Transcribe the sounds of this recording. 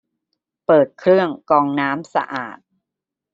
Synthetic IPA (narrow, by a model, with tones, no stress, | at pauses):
pɤː˨˩t̪̚kʰɾɯ˥˩əŋkɔː˧ŋnaː˦˥msa̰˧ʔa̰ː˨˩t̪̚